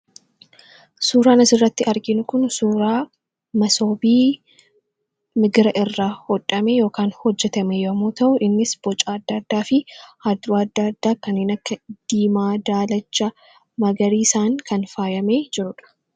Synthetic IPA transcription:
suːɾaːnɐsɪrːɐt̪ːɪʔɐɾɡɪnʊkʊnsuːɾaː | mɐsoːbiː | mɪɡɪɾɐʔɪrːaːhɔᶑʼɐmejo̞ːkaːnhɔd͡ʒːɛt̪ɐmejɐmuːt̪ɐʔʊʔɪnːɪsb̥ɔt͡ʃʼaːɐd̪ːɐːd̪ːaːfɪhɐd̪ːʊɐd̪ːaɐd̪ːaːkɐnːeːnɐkːɐd̪̥iːmaːd̪aːlɐt͡ʃːɐ | mɐɡɐɾiːsaːŋkɐnfaːjɐme̞ːd͡ʒɪɾʊᶑɐ̥

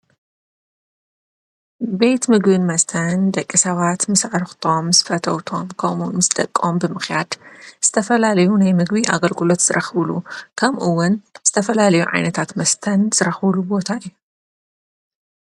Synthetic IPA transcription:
be̞t̪mɨɡbɨnmɐst̪ʰɐnd̪ɐkʼːisɐβat̪mɨsʕɨɾxt̪ʰo̞mzɨfɐt̪ʰɐwt̪ʰo̞mkʰɐmunɨzɨt̪ʼɐkʼːo̞mbɨmɨxjad̪z̥ɨt̪ʰɐfɐlalɐjunajmɨɡbiʔa̰ɡɐlɡɨlo̞t̪z̥ɨɾʔɐxβlukʰɐmʔɨwːʊnz̥ɨt̪ʰɐfɐlalɐjuʕa̰jnɐt̪ʰat̪mɐst̪ʰɐnz̥ɨɾɐxβlubo̞t̪ʰaɨjːu

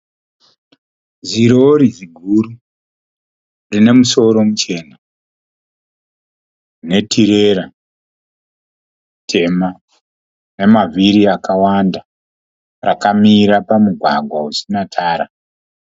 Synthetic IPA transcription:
ziɾo̞ɾiziɡʱuru | rine̞muso̞ɾo̞mut͡ʃe̞ːna | ne̞tʰiɾe̞ɾa | tʰe̞ma | ne̞mavʱiɾiakawanda | ra̰kamiɾapamuɡʱwaɡʱwausinatʰaːɾa

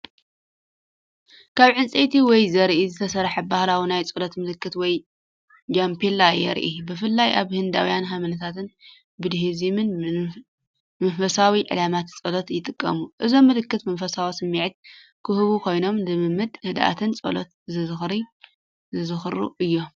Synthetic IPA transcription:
kʰaβʕɨnt͡sʼet̪ʰiwɔjzɐɾʔizɨt̪ʰɐsɐɾħabahlawinajt͡sʼɨlot̪mɨlɨkːɨt̪wɔj | d͡ʒampʰelajɛ̰ɾʔibɨfɨlːajʔaβhɨnd̪a̰wjanɦamɐnɐt̪ʰat̪ɨn | bɨd̪ɦizimɨn | mɐfɐsawiʕɨ̰lamat̪t͡sʼolot̪jɪt̪ʼɨkʼːɐ̰muʔɨzo̞mːɨlɨkːɨt̪mɐnfɐsawasɨmːiʕt̪̚ | kʰɨhɨβukʰo̞jno̞mdɨmɨmːɨd̪nɐd̪ʔa̰t̪ʰɨnt͡sʼo̰lo̰t̪zɨzɨxɾi | zɨzɨxɨɾṵʔɨjːo̞

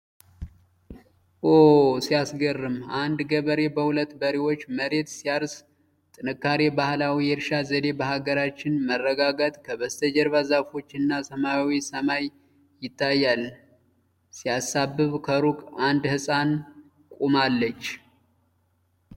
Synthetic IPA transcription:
ʔosijasɡərːɨmand̪ɡəβəɾe̞bəhulət̪ːbəɾiwo̞t͡ʃːməɾe̞t̪sijaɾs | t̪ʼɨnɨkːaɾebahlawijɛɾʃazəd̪e̞bəɦaɡəɾat͡ʃːɪnmərːəɡaɡat̪ʼkʰəβəst̪ʰəd͡ʒɛɾβazafo̞t͡ʃːɪnːasəmawisəmaj | jɪt̪ʰːajːal | sijasabːɨβkʰəɾukʼand̪hɨsʼan | kʼumalːət͡ʃː

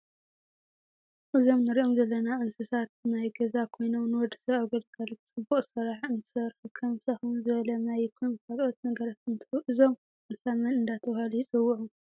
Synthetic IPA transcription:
ʔɨzo̞mnɨɾiʔomzɐlːɐnaʔɨnsɨsat̪̚najɡɐzakʰo̞jno̞mnɨwɔd̪ɨ̥sɐawɡɐd̪ɡalɨt͡sʼɨbːuχʼsɨɾaħɨnt̪ʰɨ̥sɐɾxukʰɐmsaxuzɨβɐlɐnajkʰunkʰalʔot̪nɐɡɐɾat̪ɨnt̪ʰɨʔɨzo̞m | ɨnsamɐnɨnd̪at̪ʰɐβhalujɪt͡sʼɨwːuʔu

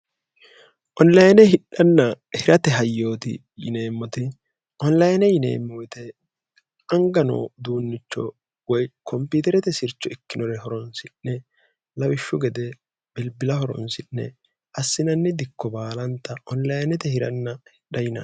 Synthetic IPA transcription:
ʔɔnlɐjnɛhɪɗɐnːɐ | hɪɾɐt̪ɛɦɐjːo̞ːt̪ɪ̰ | jɪ̰neːmːɔt̪ɪ | ʔɔnlɐjnɛjɪnḛːmːojt̪ɛ | ɐŋɡɐno̰ːd̪uːnːɪt͡ʃːɔ̰ | wɔjkɔmpiːt̪ɛɾɛt̪ɛsɪɾt͡ʃːɔɪkːɪnɔɾɛɦɔɾɔnsɪnːɛ | lɐwɪʃːʊɡɛd̪ɛ | b̥ɛlbɪlɐhɔɾɔ̰nsɪnːɛ̰ | ʔɐsːɪnɐnːɛd̪ɪkːɔbaːlɐnt̪ːɐʔɔnlɐjnɛt̪ɛhɪɾɐnːɐhɪᶑɐjɪnɐ̰

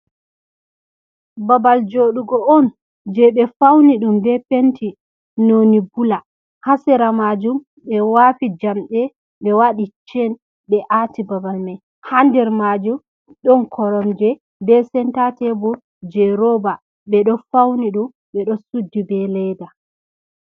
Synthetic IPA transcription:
babald͡ʒoɗuɡɔʔɔn | d͡ʒɛɓɛfawniɗumbɛpentʰi | nonibula | hasɛɾamad͡ʒum | ɓɛwafid͡ʒamɗɛ | ɓɛwaɗit͡ʃɛn | ɓɛʔatibabalmaj | handɛɾmad͡ʒum | ɗɔnkʰɔɾɔmd͡ʒɛ | bɛsɛntatɛbɔ | d͡ʒɛɾɔba | ɓɛɗɔfawniɗum | ɓɛɗɔsudːibɛlɛjda

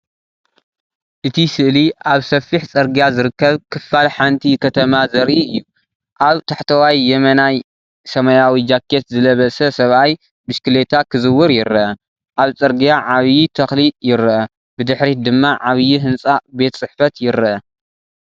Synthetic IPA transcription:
ʔɨt̪ʰisɨʔliʔaβsɐfːiħt͡sʼɐɾɡijazɨɾɨkːɐβkʰɨfːalħant̪ʰikʰɐt̪ʰɐmazɐɾʔiɨjːu | ʔaβt̪ʰaħt̪ʰɐwajːɛmɐnaj | sɐmɐjawid͡ʒakʰːet̪zɨlɐβɐsɐsɐβʔaj | bɨʃkɨlet̪ʰakʰɨzɨwːɨɾjɪɾɨʔɐ | ʔaβt͡sʼɐɾɡijaʕaβjit̪ʰɐxlijɪɾɨʔɐ | bɨd̪ɨħɾid̪ɨmːaʕaβjiɦɨnsʼabe̞t̪t͡sʼɨħfɐt̪jɪɾɨʔɐ

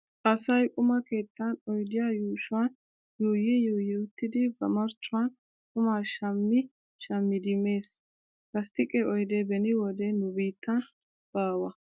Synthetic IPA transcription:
ɐsɐjkʼʊmɐke̞ːt̪ːɐnɔjd̪ɪjajuːʃʊwɐn | juːjɛjuːjɪʊt̪ːɪd̪ɪbɐ̰mɐɾt͡ʃʼːʊwɐn | kʼʊmaʃɐmːɪ | ʃɐmːɪd̪ɪmːe̞ːs | kɐst̪ɪkʼɛʔɔjd̪ɛbɛnɪwɔd̪ɛnʊbiːt̪ːɐn | b̥aːwɐ

